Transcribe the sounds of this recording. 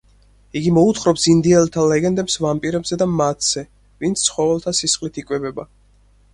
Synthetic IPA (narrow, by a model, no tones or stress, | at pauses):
iɡimɔut̪χɾɔpsind̪iɛlt̪ʰalɛɡɛnd̪ɛpsvampʼiɾɛbzɛd̪amat̪ʰz̥ɛ | vint̪sʰtsʰχɔvɛlt̪ʰasisχlit̪ʰikʼwɛbɛba